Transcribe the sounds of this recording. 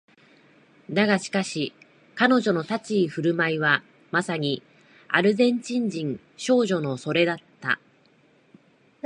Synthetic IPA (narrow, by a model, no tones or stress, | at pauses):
naɡaɕi̥kaɕi | kano̞ʑo̞no̞t̪at͡ɕiːɸɯ̟ɾɯ̟maiβa | masaɲ̟i | a̰ɾɯ̟zẽ̞ɲ̟t͡ɕĩɲ̟d͡ʑĩŋ | ɕo̞ːʑo̞no̞so̞ɾe̞d̪at̪ːa̰